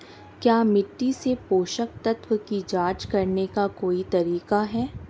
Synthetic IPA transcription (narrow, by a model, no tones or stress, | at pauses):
kjaːmɪʈːisepoːʃək̚t̪ɐt̪wəkid͡ʒaːt͡ʃkɐɾnekakoːit̪ɐɾiːkaɦɛː